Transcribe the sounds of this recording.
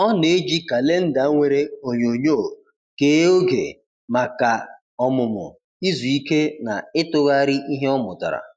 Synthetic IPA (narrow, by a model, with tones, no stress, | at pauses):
ɔ˦ne˦d͡ʒi˦ka˨le˦n̩˦da˨˦ŋʷe˨ɾe˦o˨ɲo˨ɲo˦˨ | ke˦o˦ɡḛ˨ | ma˨ka˨ | ɔ˨mʊ˨mʊ̰˨ | i˦zu˨i˦ke˦na˨ɪ˦tʊ˦ɣa˦ɾi˦ʔi˦ɦe˦ɔ˦mʊ˨ta̰˨ɾa̰˨